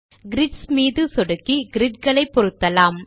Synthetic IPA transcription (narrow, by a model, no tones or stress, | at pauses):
ɡɪɾɪʈsmiːðɯsɔɽɯkːiɡɪɾɪʈkɐɭɐɪpːɔɾɯt̪ːɐlaːm